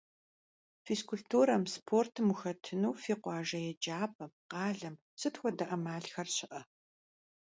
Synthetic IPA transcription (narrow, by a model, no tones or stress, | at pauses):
fiskʊɮtʰuːɾɐmspʰoːrtʰmuxɐtʰɨnuːfiːqʷɑːʒɐjɛd͡ʒaːpʰɐmqɑːɮɐm | sɨtxʷɔdɐʔɐmaːɮxɐrɕɪʔɐ